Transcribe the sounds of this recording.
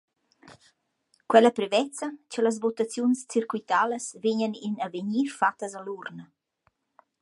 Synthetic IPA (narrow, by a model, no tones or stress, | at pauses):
kwɛləpɾevɛt͡sat͡ʃələs̬vot̪at͡sjunst͡sirkuit̪aləsveɲəninaveɲiɾfat̪əzalurnə